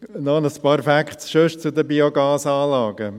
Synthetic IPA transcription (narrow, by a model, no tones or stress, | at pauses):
nɔnəspɑːɾfækχtsʃøʃt͡sud̪əbioɡɑːsɑːlɑːɡ̥ə